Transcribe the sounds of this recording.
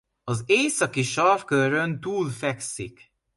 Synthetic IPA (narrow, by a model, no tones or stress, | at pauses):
ɒzeːsɒkiʃɒrfkøɾønt̪uːlfɛksḭk